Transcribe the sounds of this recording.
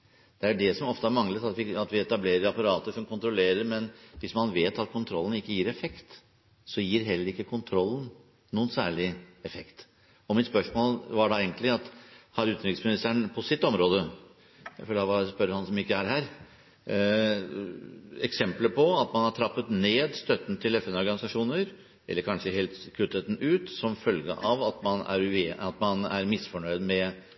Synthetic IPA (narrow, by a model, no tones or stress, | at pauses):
d̪̥ɛæɖɛsɔmɔft̪əhɑɾmɑŋlət̪ɑt̪ʋɪɑt̪ʋɪɛt̪ɑbleːɾəɾɑpɑɾɑːt̪əsɔmkʰʊnt̪ɾʊleːɾəɾmɛnʋɪsmɑnʋeːt̪ɑt̪̚kʰʊnt̪ʰɾɔlːən̩ɪkːəjiːɾɛfɛkt̪ | sɔjiːɾɦɛlːəɾɪkːəkʰʊnt̪ʰɾɔlːn̩ | nuːənsæ̰ːɭɪɛfɛkt̪ | ɔmɪt̪spœʂmoːlʋɑɖɑeɡnt̪lɪɑt̪hɑɾʉːt̪nɾɪksmɪnɪst̪əɳpʰɔsɪt̪ːɔmɾoːd̪ə | æføːlɑʋɑspœɾːəhɑnsɔmɪkːəæɾɦæːɾ | ɛksɛmpləpʰɔɑt̪mɑnhɑʈʰɾɑpːət̪neːd̪st̪œt̪ːn̩t̪ʰɪlɛfɛnɔɾɡɑnɪsɑʂuːnəɾ | ʔɛlːəɾkʰɑnʂəɦeːlt̪kʰʉt̪ːet̪n̩ʉːt̪sɔmfœlɡə̰ʔɑʋɑt̪mɑnæ̰ɾeɑt̪mɑnæ̰ɾmɪsfɔɳœʏd̪mɛ